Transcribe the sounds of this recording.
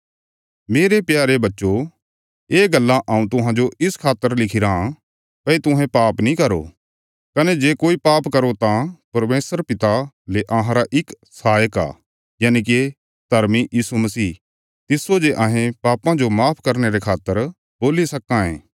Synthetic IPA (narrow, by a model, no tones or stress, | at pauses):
meːɾepjaːɾebɐtːʃo | eːɡɐlːãʔɐːũt̪ʊɦãd͡ʒoɪskʰaːt̪ːəɾlɪkʰiɾaã | pɐit̪ʊɦɛ̃paːpnĩkɐɾo̰ | kɐned͡ʒeːkoːipaːpkɐɾot̪ãpɐɾmeːsəɾpɪt̪a | leʔɐɦãɾaʔɪk | saːjəka̰ː | jaːnik̬ie | d̪ʱɐɾmijiːsumɐsiː | t̪ɪsod͡ʒeʔɐ̃ɦẽpaːpãd͡ʒomaːpʰkɐɾneɾekʰaːt̪ːəɾ | boːlisɐkãḛ̃ː